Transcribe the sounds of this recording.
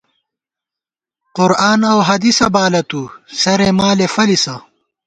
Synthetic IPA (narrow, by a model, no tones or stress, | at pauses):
qʊɾaːnɐwɦɐd̪isɐbaːlɐt̪usɐɾemaːlefɐlisɐ